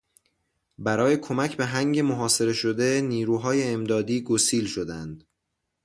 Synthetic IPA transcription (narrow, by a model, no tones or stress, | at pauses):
bæɾɒːje̞kʰo̞mæcʰbe̞ɦæŋɟe̞moɦɒːse̞ɾe̞ʃod̪e̞niːɾuːɦɒːje̞ːmd̪ɒːd̪iːɡosiːlʃo̞d̪ænd̪̥